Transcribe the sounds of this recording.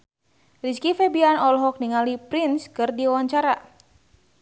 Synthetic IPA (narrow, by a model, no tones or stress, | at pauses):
riskifɛbianɔlɦɔk̚niŋalipɾinskɨrdiwaɲt͡ʃaɾa